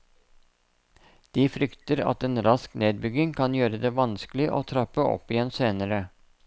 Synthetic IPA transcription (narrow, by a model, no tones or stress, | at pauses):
d̪̥iːfɾʏkt̪əɾɑ̰t̪eːnɾɑskneːd̪̚bʏɡɪŋkʰɑnjøːɾəd̪eːʋɑnsklɪʔo̰ːt̪ʰɾɑpəɔ̰pːɪjɛnseːnəɾə